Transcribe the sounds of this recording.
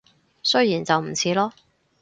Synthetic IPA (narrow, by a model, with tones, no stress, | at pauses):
sɵ˥ɥjiː˨˩nt͡sɐ˨wm̩˨˩t͡sʰiː˨˥lɔː˥